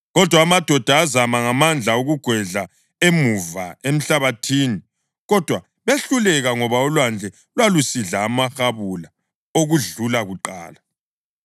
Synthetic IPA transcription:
ɣɔd̥ʱwaːmad̥ʱɔd̥ʱaːzamaŋamand͡ɮʱauɣuɡ̥ʱwɛɮa | emuvaem̩ɬaβatʰiːni | ɣɔd̥ʱwa | βeɬulɛɣaŋɔβaɔlwand͡ɮʱɛ | lwalusiɮaːmaxaβula | oɣuɮulaɣuǃa̰ːla

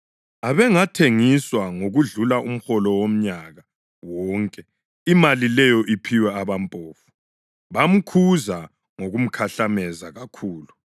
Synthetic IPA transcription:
aβɛŋatʰeŋiswaŋoɣuɮulaʔum̩xɔlɔwom̩ɲaɣa | wɔːŋkʼɛ | imalilɛjɔʔipʰiwɛaβampʼoːfu̥ | βam̩kʰuza | ŋoɣum̩kʰaɬamɛzaɣakʰuːlu

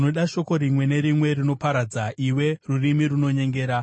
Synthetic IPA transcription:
noɗaʃo̞ko̞ɾimwe̞ne̞ɾimwe̞rino̞paɾad͡zaʔiwe̞rurimiruno̞ɲe̞ŋɡe̞ːɾa

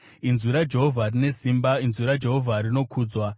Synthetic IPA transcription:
inzuɾad͡ʒe̞ɦo̞vʱarine̞simbainzuɾad͡ʒe̞ɦo̞vʱaɾino̞kʰuːd͡zwa

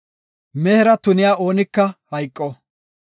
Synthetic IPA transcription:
mɛhɛɾɐt̪ʊnɪjaːʔo̞ːnɪkːɐhɐjkʼːɔ

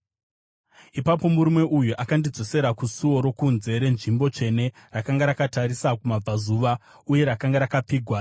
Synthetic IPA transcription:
ipapo̞muɾume̞ʔujuʔakandid͡zo̞se̞ɾakusuo̞ɾo̞kunze̞ɾe̞nʐimbo̞t͡ʃe̞ne̞rakaŋɡaɾakataɾisakumab͡vazuːʋa | uje̞ɾakaŋɡaɾakap͡fiːɡʱwa

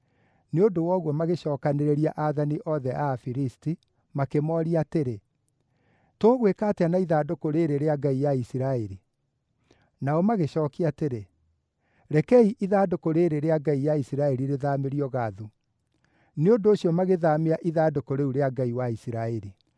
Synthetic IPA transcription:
neondowɔɣwɔmaɣeɕɔːkaneɾeɾiaʔaðaniʔɔðɛʔafiɾisti | makemɔɾiateɾe | toːɣwekaːteanaiðaːdokoɾeːɾeɾeaɡaijaisiɾaeɾi | naɔmaɣeɕɔːkiateɾe | ɾɛkɛiʔiðaːdokoɾeːɾeɾeaɡaijaisiɾaɛɾiɾeðameɾiɔɣaðu | neondoːɕijɔmaɣeðameaʔiðaːdokoɾeuɾeaɡaiwaisiɾaɛɾi

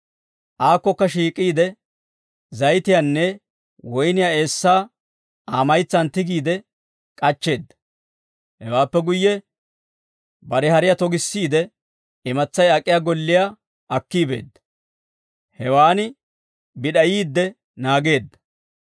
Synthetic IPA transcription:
ʔaːkːɔkːɐʃiːkʼːiːd̪ɛ | zɐjt̪ɪjaːnːɛ | wɔjnɪjaːe̞ːsːaː | aːmɐjt͡sːɐnt̪ɪɡiːd̪ɛ | kʼɐt͡ʃːe̞ːd̪ːɐ̥ | hɛwaːpːɛɡʊjːɛ | bɐɾɛhɐɾɪjat̪ɔɡɪsːiːd̪ɛ | ɪmɐt͡sːɐjɐkʼːɪjaːɡɔlːɪja | ɐkːiːbe̞̰ːd̪ːɐ̥ | hɛwaːnɪ | bɪɗɐjiːd̪ːɛ | naːɡe̞ːd̪ːɐ̥

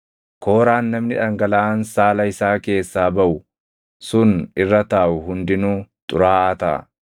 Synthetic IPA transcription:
kʰo̞ːɾaːnːɐmnɪᶑɐŋɡɐlɐaːnsaːlɐɪsaːke̞ːsːaːbɐʔʊ | sʊnɪrːɐt̪aːʔʊɦʊnd̪ɪnuːt̪ʼʊɾaːɐt̪ɐ̰

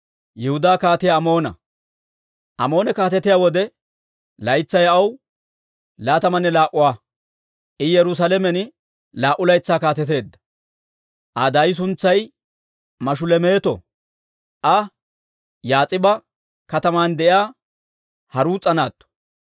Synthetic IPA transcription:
jɛhʊd̪aːkaːt̪ɪjɐːmo̞ːnɐ̰ | ʔɐmo̞ːnɛkaːt̪ɛt̪ɪjaːwɔd̪ɛ | lɐjt͡sːɐjɐw | laːt̪ɐmɐnːɛlaːʔʊwaː | ʔɪjɛɾʊs̬alɛmɛn | laːʔʊlɐjt͡sːaːkaːt̪ɛt̪̬e̞ːd̪ːɐ̥ | ʔɐd̪ajɪs̬ʊnt͡sːɐj | mɐʃ̬ʊlɛme̞ːt̪ɔ̰ | ʔɐ | jaːt͡sʼɪbɐ | kɐt̪ɐmaːnd̪ɛʔjaː | hɐɾuːt͡sʼːɐnaːt̪ːɔ̥

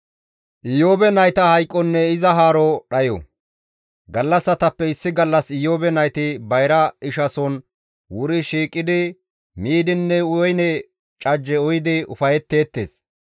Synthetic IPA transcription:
ʔɪjoːbɛnɐjt̪ɐhɐjkʼːɔnːɛɪzɐɦaːɾɔɗɐjɔ̰ | ɡɐlːɐsːɐt̪ɐpːɛɪsːɪɡɐlːɐsɪjoːbɛnɐjt̪ɪbɐjɾɐɪʃɐsɔn | wʊɾɪʃiːkʼːɪd̪ɪ | miːd̪ɪnːɛʊjɔjnɛ | t͡ʃʼɐd͡ʒːɛɔjɪd̪ɪʊ̰fɐjɛt̪ːe̞ːt̪ːe̞̰ːs

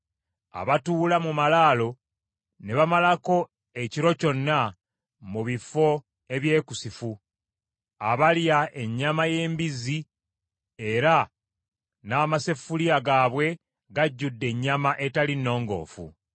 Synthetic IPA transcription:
a̰βatuːlamumalaːlo̞ | ne̞βamalako̞ | eciɾo̞co̞nːa | muβifo̞ | e̞βje̞ːkusifu | aβaljae̞ɲːamaje̞ːmbizi | e̞ɾa | naːmase̞fuliaɡaːβwe̞ | ɡaɟːudːe̞ɲːamaʔe̞talinːo̞ːŋɡo̞̰ːfṵ

